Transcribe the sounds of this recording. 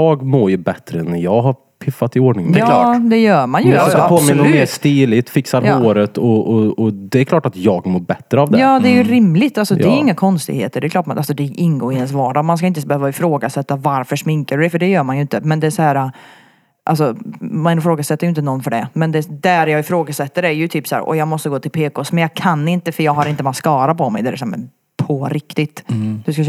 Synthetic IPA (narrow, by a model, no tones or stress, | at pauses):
ɑːɡmoːɾjɵbɛt̪ɾəɛnːjɑːɡɦaɾ | pʰɪfːat̪ɪoːɖɳɪŋd̪ɛklɑːd̪ɛjœːɾmanjɵpʰoːmɪnːmeːʂt̪iːlɪt̪fɪksaɾoːɾət̪ɔɔɔd̪ɛɛkʰlɑːʈat̪jɑːɡmoːɾbɛt̪ːɾəavd̪ɛɑːd̪ɛæɾjɵɾɪmlɪt̪ːalsɔd̪ɛɛjɪŋːakʰɔnst̪ɪɡhḛːt̪əɖɛkʰlɑːʈmʔalsɔd̪ɛʔɪnːɡoːɾɪənsvɑːɖɑmanskaɪnt̪əsbɛhøːvaɪfɾoːɡasɛt̪ːavaɾfœʂmɪŋkaɖɵɖ̪ɛfœɖɛjœːɾmanjʏɪnt̪əmɛnd̪ɛsɔhæːɾa | ʔa̰ls̬ɔmanɪfɾoːɡasɛt̪ːajʏɪnt̪ənɔnːfœɖɛ̰mɛnd̪ɛd̪æɾjɑːɡɪfɾoːɡasɛt̪ːəɾæɾjɵt̪ʰyːpsæ̰ːɾʔɔ̰jɑːɡmɔst̪əɡoːt̪ʰɪlpʰeːkosmɛnjɑːkʰanːɪnt̪əfœɾjɑːɡɦaɾɪnt̪əmat̪skɑːɾapʰɔmɛ̰jd̪ɛæɾɛsaːmɛ̰ | pʰɔɾʔɪkt̪ɪt̪d̪̥ɵska